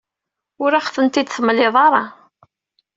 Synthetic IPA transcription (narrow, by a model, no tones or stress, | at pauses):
ʊɾaχθənt̪id̪θəmːlɪðˤɑɾˤɑ